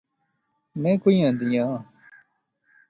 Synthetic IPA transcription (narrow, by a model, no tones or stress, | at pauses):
mẽːkoĩːãːd̪ijãː